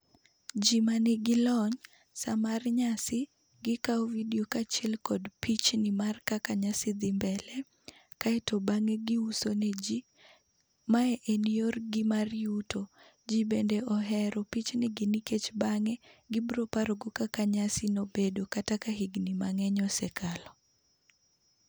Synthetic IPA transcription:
d͡ʒimanɪɡɪlɔɲ | samarɲasɪ | ɡɪkaɔvidiokat͡ʃɛlkɔdpit͡ʃnɪmarkakaɲasɪd̪ɪmbɛlɛ | kaɛtɔbaŋɛɡɪusoned͡ʒi | maɛʔenijorɡɪmarjuto | d͡ʒibendeʔɔɦɛɾɔpit͡ʃnɪɡɪniket͡ʃbaŋɛɡɪbɾopaɾoɡokakaɲasɪnobedokatakaɦiɡnimaŋɛɲɔsɛkʰalɔ

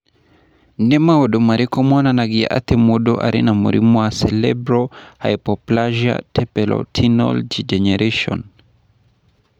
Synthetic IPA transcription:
nɛmaɔɗɔmaɾikɔmɔnanaɡia̰ʔa̰tɛmɔɗɔʔa̰ɾḭnamṵɾḭmɔasɛlɛ̰bɾɔha̰ipɔplaʒia̰tʰɛpɛlɔ̰tʰinɔ̰ld͡ʒid͡ʒɛnɛɾeʃɔ̰n

